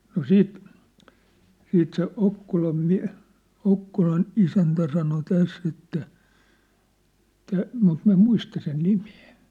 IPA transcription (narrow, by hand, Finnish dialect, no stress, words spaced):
no siːt siːt se okːolɑm miæ̝ okːolɑn isæntæ sɑno tæsː etːæ tæ mut min̞̆ʋæ em muistɑ sen nime̥ː